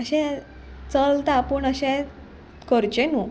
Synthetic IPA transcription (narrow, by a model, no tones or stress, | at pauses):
əɕɛ̃ | t͡səlt̪apəɳəɕɛ̃ | kəɾt͡ɕeno